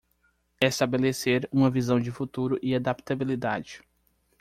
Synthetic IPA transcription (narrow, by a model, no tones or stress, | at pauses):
ɛst̪abeleseɾũmɐvizɐ̃w̃d͡ʒɪfut̪uɾʊʔɪad̪ap̚t̪abilid̪a̰d͡ʒɪ